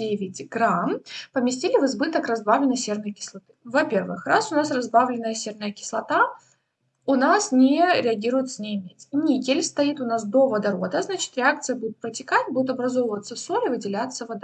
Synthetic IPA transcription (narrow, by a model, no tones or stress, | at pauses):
evʲɪtʲɡɾampəmʲɪsʲtʲilʲɪvɨzbɨt̪əkrɐzbavlʲɪnːəjsʲernəjkʲɪ̥slˠɐt̪ɨ̥vɐpʲe̞rvɨxrasʊnasrɐzbavlʲɪnːəjəsʲe̞rnəjəkʲɪ̥slˠɐt̪a | ʊnasnʲɪɾʲɪɐɡʲiɾʊjɪt̪sənʲɪjɪmʲetʲnʲikʲɪlʲst̪ɐit̪ʊnas̬d̪o̞vəd̪ɐɾod̪əznat͡ɕɪ̥t̪ɾʲɪak̚t̪sɨjəbud̪ʲʊt̪̚pɾətʲɪkatʲbud̪ʲʊt̪ɐbɾɐzo̞vəvət̪səsoɾɨvɨdʲɪlʲat̪sːəvɐd̪